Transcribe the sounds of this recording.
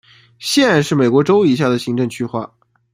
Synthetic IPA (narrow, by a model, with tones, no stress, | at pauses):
ɕjɛ˥˧na˥˧nʂɻ̩˥˩me˨˩ɪkwɔ˧˥ʈ͡ʂo˥ʊi˨˩ɕja˥˩d̪ə˩ɕi˧˥ŋʈ͡ʂɤ˥˧ŋt͡ɕʰy˥xwa˥˩